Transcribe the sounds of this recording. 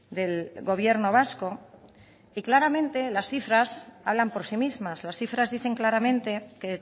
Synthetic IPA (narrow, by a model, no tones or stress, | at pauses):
d̪e̞lɣo̞β̞je̞ɾno̞β̞asko̞ | iklaɾamẽ̞nt̪e̞lasθifɾasaβlampo̞ɾsimizmaslasθifɾazðiθe̞ŋklaɾamẽnt̪e̞ke